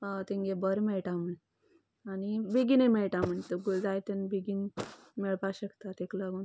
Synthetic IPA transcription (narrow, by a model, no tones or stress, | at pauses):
t̪ẽŋɡebəɾmeɭʈam̤əɳ | anibiɡinemeɭʈam̤əɳt̪əɡud͡zajt̪ənbiɡin | mɛɭpaɕəkt̪at̪ekləɡon